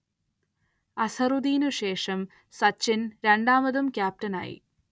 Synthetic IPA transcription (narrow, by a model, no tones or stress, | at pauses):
ɐsɐrud̪iːnuɕe̞ːʂɐm | sɐt͡ɕːinɾe̞ɳɖaːmɐðumkjaːp̚tɐna̰ːjḭ